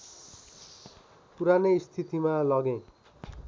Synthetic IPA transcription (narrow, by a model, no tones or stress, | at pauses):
puɾanest̪ʰit̪imalʌɡẽ